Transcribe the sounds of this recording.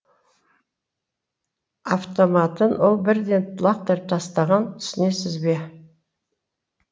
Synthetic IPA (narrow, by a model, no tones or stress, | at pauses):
aft̪o̞mɑt̪ənwo̞lˠbɪɾd̪e̞nlˠɑqt̪eɾp̚t̪ʰɑst̪ɑʁɑnt̪ʰʏ̥sɪne̞sɪzbe̞